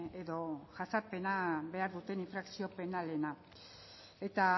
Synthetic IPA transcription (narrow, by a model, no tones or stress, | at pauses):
eðo̞ʝasaɾpe̞nabe̞aɾðut̪e̞niɱfɾaksio̞pe̞nale̞na | e̞t̪a